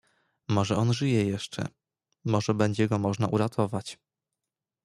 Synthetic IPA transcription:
mɔʐɛɔnʐɘjɛjɛʂt͡ʂɛ̰ | mɔʐɛbɛɲd͡ʑɛɡɔmɔʐnaʔuɾat̪ʰɔvat͡ɕ

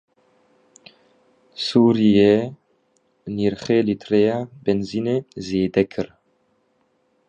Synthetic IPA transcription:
suːɾijɛ | niːɾχeːlit̪ʰɾeːjaːbɛnziːneːzeːd̪ɛkʰɨɾ

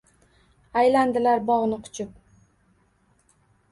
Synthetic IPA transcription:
ajland̪ɪlaɾbɒʁnɪqʰʊ̥t͡ʃʰʊp̚

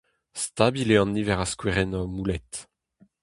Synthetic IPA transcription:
st̪abileɑ̃nːivɛʁaskweʁɛnɔmulɛt̪

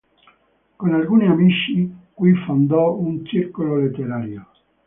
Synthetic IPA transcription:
konalɡuːniamit͡ʃːikwifond̪ɔunt͡ʃirkololet̪ːeɾaːɾjo

